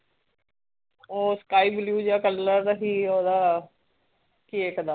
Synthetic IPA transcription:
oːskaːiːbljuːd͡ʒjaːkəlləɾd̪aɦiːoːd̪aː | kiːeːkəd̪aː

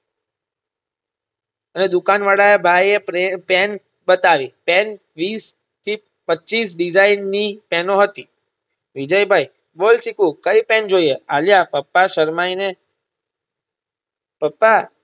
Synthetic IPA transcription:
əned̪ukanʋaɽaebʱajepɛn | ɓət̪aʋipɛn | ʋis | t̪ʰi | pətːt͡ʃisɖid͡ʒainːipɛnoɦət̪i | ʋid͡ʒəjbʱai | bolsikũkəipɛnd͡ʒoiealjapəpːaʃəɾmaine | pəpːa

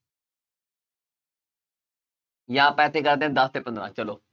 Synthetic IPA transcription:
jãːpɛːt̪ʰeːkəɾd̪ẽd̪əst̪eːpə̃nd̪ɾã̰ːt͡ʃəloː

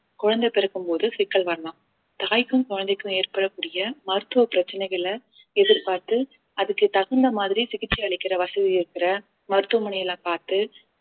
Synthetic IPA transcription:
kʊɻɐnd̪ɐɛpːɛɾɐkːɯmpoːðɯsɪkːɐɭʋɐɾɐlaːm | t̪aːjkːɯmkɔɻɐnd̪ɛkːɯ̃eːrpɐɽɐkːuːɽɪjɐmɐɾɯt̪ːɯʋɐpɪɾɐt͡ʃːɐnɐɪɣɐɭɐ | ɛðɪɾpaːɾt̪ɯ | ɐðɯkːɯt̪ɐɣɐnd̪ɐmaːðɪɾisɪɣɪʈ̚t͡ʃːiɐɭɪkːɪɾɐʋɐsɐðiɪɾɯkːɪɾɐ | mɐɾɯt̪ːɯʋɐmɐnɐjɐlaːpaːɾt̪ɯ

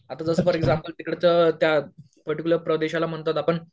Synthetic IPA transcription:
at̪ad͡zəsəfəɾeɡzampəlt̪ikɽet͡sət̪ja | pəɾʈikʲuləɾpɾəd̪eɕalam̤əɳt̪at̪apəɳ

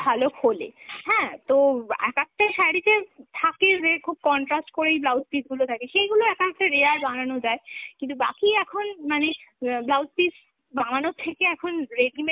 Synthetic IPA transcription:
bʱalokʰolḛhɛ̃t̪oɛ̰kak̚ʈaʃajɽit̪et̪ʰaked͡ʑekʰub̚kɔɳʈɾasʈkoɾejblawspitɡulot̪ʰakeʃejɡuloɛkak̚ʈaɾeaɾbananod͡ʑaekint̪̬uba̰kiɛkʰonmaneblawspis | bananot̪ʰːekeɛkʰonɾeɖime

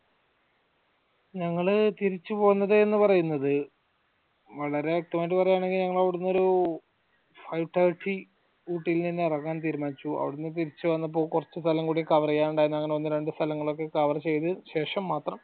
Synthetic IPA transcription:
ɲɐŋːɐɭt̪iɾit͡ɕːupo̞ːɣnːɐðɨenːɨpɐrɐjunːɐðɨ | ʋɐɭɐɾe̞ak̚ʈːɐmaːdipɐrɐjaːɳe̞ŋɡilɲɐŋːɐɭɐʋiɽunːo̞ɾu | fɐjʈːaːʈʰi | uːʈːijilninːe̞rɐɣːaːnt̪̬iːɾumaːnit͡ɕːuʔɐ̰ʋiɽunːɨt̪iɾit͡ɕːɨʋɐnːɐp̬ːo̞ːɭkurɐt͡ɕːɨst̪ʰɐlɐmkuːɽikɐʋɐrɐjaːnuɳɖaːjɾunːuɐŋːɐneʋɐnːɨɾe̞ɳɖɨst̪ʰɐlɐŋːɐɭo̞kːe̞kɐʋɐrɐt͡ɕe̞jt̪ɨɕe̞ːʂɐmːaːt̪rɐm

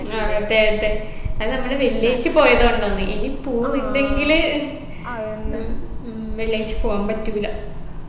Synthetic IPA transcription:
aɐd̪ːeːɦɐt̪ːeɐðɨnɐmːɐɭeʋelːejit͡ɕːɨpo̞ːjɐðoːuɳɖonːɨʔinipoːninɖe̞ŋɡil | ʋeljejit͡ɕːɨ̥poːɣaːmpɐtːuʋilɐ

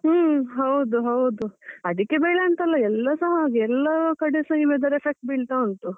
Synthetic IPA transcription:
ɦɐwd̪uɦɐwd̪uɐd̪ikːebɐjɭaɐnt̪ɐlːɐɛlːɐsɐɦɐaːɡeɛlːɐkɐɽesɐimed̪ɐɾepʰek̚ʈ̚biɭt̪auɳt̪u

